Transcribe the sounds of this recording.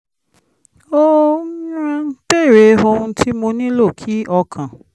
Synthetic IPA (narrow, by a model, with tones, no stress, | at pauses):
o˦i˦ɾã˧˦pe˦˨ɾe˨˧ɦo˧hũ˧tʰi˦mo˧nĩ˦lo˦˨kʰi˨˦ɔ˧kʰã˨